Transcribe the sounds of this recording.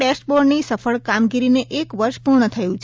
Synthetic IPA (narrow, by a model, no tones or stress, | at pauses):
ʈesʈboɾnisəfəɭkamɡiɾineʔekʋəɾʃpuɾɳ̃ət̪ʰəjũt͡ʃʰ